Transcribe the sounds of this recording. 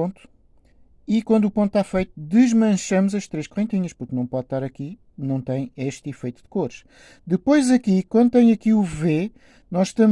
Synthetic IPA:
õnt̪u̥ | ikwɐ̃nd̪upõt̪̚t̪afɐjt̪ud̪ɨʒmɐ̃ʃɐmuzɐʃt̪ɾeʃkuʁẽnt̪iɲɐʃpuɾknɐ̃w̃pɔðt̪aɾɐki | nɐ̃w̃t̪ɐ̃j̃eʃt̪ifɐjt̪ud̪ɨkoɾʃ | d̪ɨpojzɐkikwɐ̃nd̪ut̪ɐ̃j̃ɐkiuve | nɔzʃt̪ɐm

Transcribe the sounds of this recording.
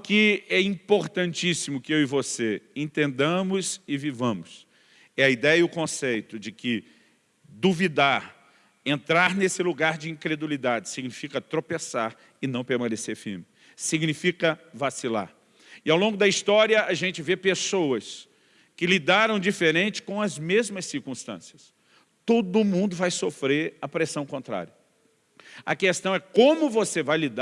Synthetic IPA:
kɪɛĩpoɾt̪ɐ̃nt͡ʃisimʊkɪewɪvoseẽnt̪ẽnd̪ɐ̃mʊzɪvivɐ̃mʊs | ɛɐid̪ɛjɐiʊkõsejt̪ʊd͡ʒɪkɪ | d̪uvid̪aɾ | ẽnt̪ɾaɾnesɪluɡaɾd͡ʒɪĩkɾed̪ulid̪ad͡ʒɪsiɡnifikɐt̪ɾopesaɾ | ɪnɐ̃w̃peɾmɐ̃neseɾfimɪ | siɡnifikɐvasila̰ɾ | ɪawlõŋɡʊd̪ɐist̪ɔɾiɐʔɐʒẽnt͡ʃɪvepesowɐs | kɪlid̪aɾɐ̃w̃d͡ʒifeɾẽnt͡ʃɪ̥kõw̃ɐzmezmɐsːiɾkũst̪ɐ̰̃siɐs | t̪od̪ʊʊmũnd̪ʊvajsofɾeɾɐpɾesɐ̃w̃kõnt̪ɾa̰ɾiɐ | ɐ̰kest̪ɐ̃w̃ɛkõmʊvosevajlid̪

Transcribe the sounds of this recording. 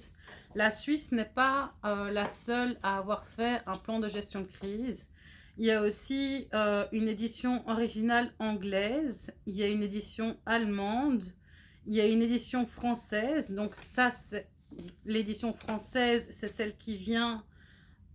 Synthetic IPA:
lasɥisnɛpaølasœlaːvwaʁfɛɛ̃plɑ̃d̪əʒɛst̪jɔ̃d̪əkχiːz | iljaosiøyned̪isjɔ̃ʔɔʁiʒinalɑ̃ɡlɛziljayned̪isjɔ̃almɑ̃d̪ | iljayned̪isjɔ̃fχɑ̃sɛːzd̪ɔ̃ksasɛ | led̪isjɔ̃fχɑ̃sɛːzsɛsɛlkʲʰivjɛ̃

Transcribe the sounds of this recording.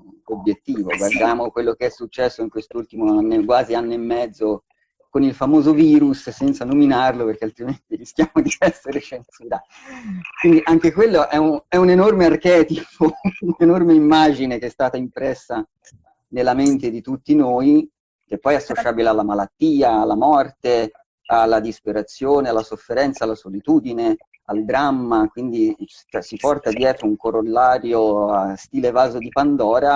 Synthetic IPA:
objet̪ːiːvo̰ɡward̪jaːmokwelːokeɛsːut͡ʃːɛsːoiŋkwest̪ult̪imoanːekwaːzianːeemːɛd̪zːo | konilfamoːzoviːɾussɛnt̪sanominarloperk̟ealt̪ɾiment̪iɾisk̟jaːmod̪iɛsːeɾeʃensuːɾa | kwind̪iʔaŋk̟ekwelːoʔɛuɛunenormearkɛːt̪ipʰounenormeimːaːd͡ʒinekeɛst̪aːt̪aimpɾɛsːa | nelːament̪ed̪it̪ut̪ːinoːi | k̟epːɔjɛasːot͡ʃaːbilealːamalat̪ːiːaːlːamɔrt̪e | alːad̪ispeɾat̪sːjoːnealːasofːeɾɛnt̪salːasolit̪uːd̪ine | ald̪ɾamːakwind̪i | t̪asipɔrt̪ad̪jɛːt̪ɾouŋkorolːaːɾjoast̪iːlevaːzod̪ipand̪ɔːɾa

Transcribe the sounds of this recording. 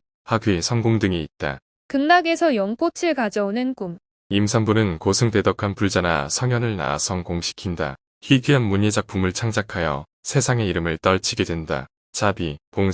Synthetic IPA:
haɡɥisʰʌŋɡoŋdɯŋiit̚t͈a̰ | kɯŋnaɡe̞sʰʌjʌŋpʰot͡ɕʰiɭkad͡ʑʌonɯnkum | imsʰaŋbunɯnkosʰɯŋte̞dʌkʰanpuɭd͡ʑana̰sʰʌŋjʌnɯɭna̰sʰʌŋkoŋɕʰi̥kʰinda̰ | çiɡiɦanmuɲed͡ʑak̚p͈umɯɭt͡ɕʰaŋd͡ʑakʰajʌ̰ | sʰe̞sʰaŋe̞iɾɯmɯɭt͈ʌɭt͡ɕʰiɡe̞dwe̞nda̰ | t͡ɕʰabipoŋ

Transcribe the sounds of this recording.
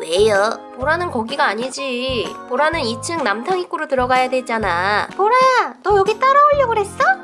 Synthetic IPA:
wejʌpoɾanɯnkʌɡiɡaːɲid͡ʑipoɾanɯnit͡ɕʰɯŋnamtʰaŋik͈uɾotɯɾʌɡajadwe̞t͡ɕ͈anapoɾajatʌjʌɡit͈aɾaoʎːʌɡɯɾɦe̞s͈ʌ

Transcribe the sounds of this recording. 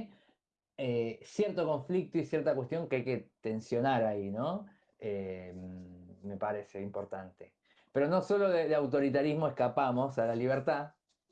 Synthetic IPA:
esjeɾt̪o̞ko̞ɱflik̚t̪oisjeɾt̪akwe̞st̪jo̞ŋkeajket̪e̞nsjo̞naɾaino̞ | emme̞paɾeseimpo̞ɾt̪ant̪e | pe̞ɾo̞no̞so̞lo̞ðeðeawt̪̬o̞ɾit̪̬aɾizmo̞ehkapamo̞salaliβ̞eɾt̪a

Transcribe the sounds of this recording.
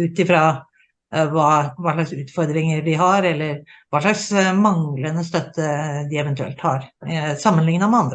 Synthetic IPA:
ʉːt̪ɪfɾɑ | ʋɑːʋɑːɭɑksʉːt̪fɔɾd̪ɾɪŋəɾɖɪɦɑɾɛlːəɾʋɑːʂɑksmɑŋlənːəst̪œt̪ʰːəd̪ɪɛʋɛnt̪ʉɛ̰lt̪hɑːɾsɑmːənlɪŋnəmɛɑnd̪ɾə

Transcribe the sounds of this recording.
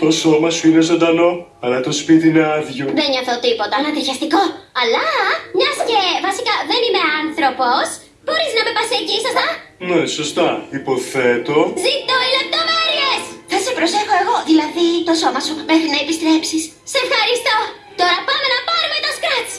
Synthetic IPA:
t̪o̞so̞mɐsuine̞zo̞nd̪ɐno̞ | ɐlɐt̪o̞spit̪iine̞ɐðʝoðenɲoθot̪ipo̞t̪ɐnɐt̪iɾçɐst̪iko̞ɐlɐmɲɐsce̞vɐsikɐðenime̞ɐnθɾo̞pos | bo̞ɾiznɐme̞pɐsecisɐst̪ɐneso̞st̪ɐipo̞θe̞t̪o̞zit̪oilep̚t̪o̞meɾiesθɐsepɾo̞se̞xo̞e̞ɣo̞ðilɐðit̪o̞so̞mɐsubeθinɐepist̪ɾe̞psis | sefxɐɾist̪o̞ | t̪o̞ɾɐpɐme̞nɐpɐɾumet̪ɐskɾɐt͡s

